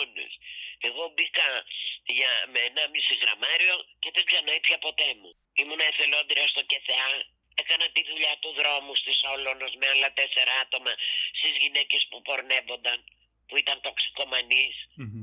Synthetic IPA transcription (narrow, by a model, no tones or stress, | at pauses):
nḛse̞ɣo̞bikɐʝɐmeenɐmisiɣɾɐ̰mɐɾio̞ce̞ðezzɐnoip̪çɐpo̞t̪e̞mṵ | imunɐeθe̞lo̞nd̪ɾiɐst̪o̞ce̞θeɐ | e̞kɐnɐt̪iðuʎɐt̪uðɾo̞must̪iso̞lo̞no̞zmeɐlɐt̪e̞se̞ɾɐɐt̪o̞mɐst̪izʝine̞ce̞spupo̞ɾne̞vo̞nd̪ɐn | puit̪ɐnt̪o̞ksi̥ko̞mɐnis